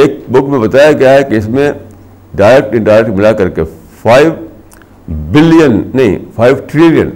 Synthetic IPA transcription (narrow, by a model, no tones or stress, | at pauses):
eːk̚bʊkmẽbɐt̪aːjaɡjaɦɛkeɪsmẽ | ɖaːɾɛk̚ʈɪ̃ɳʈaːɾɛkʈmɪlakɐɾke | faːɪʋ | bɪlijənːɐɦḭ̃fʰaːɪʋʈɾɪlijə̰̃n